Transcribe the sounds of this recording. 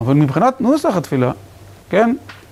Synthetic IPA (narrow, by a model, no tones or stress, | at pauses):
avalmibχinat̪nusaχat̪fila | kɛn